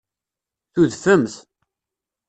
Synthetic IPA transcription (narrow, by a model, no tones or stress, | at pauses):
θuðfəmθ